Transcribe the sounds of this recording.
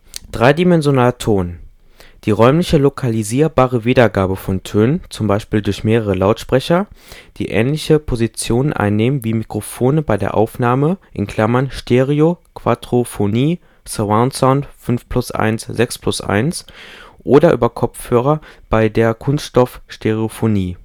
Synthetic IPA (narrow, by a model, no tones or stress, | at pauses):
d̥ʁaɪdimɛnzjonaːltʰoːn | d̥iːʁɔʏmlɪçəlokʰaliziːɐbaːʁəviːdɐɡaːbəfɔntʰøːnənt͡sʊmbaɪʃpiːldʊɐçmeːʁ̞əʁ̞əlaʊtʃpʁ̥ɛçɐd̥ḭːʔɛ̰ːnlɪçəpʰozit͡sjoːnənʔa̰ɪnːeːmənviːmikʁ̥ofoːnəbaɪdḛɐʔa̰ʊfnaːməʔɪ̰nkʰl̥amɐnʃteʁiokv̥atʁ̥ofoniː | saaʊnsaʊntfʏnfpl̥ʊsʔa̰ɪnsz̥ɛkspʰl̥ʊsʔa̰ɪnsʔoːdɐʔyːbɐkʰɔpp͡fhøːʁ̞ɐb̥aɪdeːɐkʰʊnstʃtɔfʃteʁeofoniː